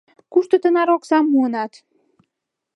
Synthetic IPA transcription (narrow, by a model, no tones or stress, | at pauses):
kuʃt̪ə̆t̪ə̆nɑɾɔksɑmːuənɑt̪